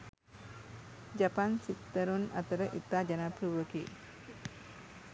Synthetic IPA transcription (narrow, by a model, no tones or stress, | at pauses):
d͡ʒapansit̪əɾuna̰t̪aɾaʔit̪ad͡ʒanapɾuwəki